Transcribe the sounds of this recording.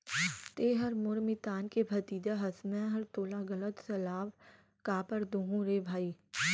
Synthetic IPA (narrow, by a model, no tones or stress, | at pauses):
t̪eːɦɐɾmʊɾmɪt̪aːnkebʱɐt̪iːd̪aɦɐsmɛ̃ɦɐɾt̪oːlaɡɐlət̪sɐlaːʋ | kaːpəɾd̪oːɦũɾeːbʱaːiː